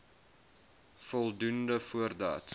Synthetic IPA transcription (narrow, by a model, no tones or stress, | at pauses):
fɔlˠdundəfuərdɑ̰ːt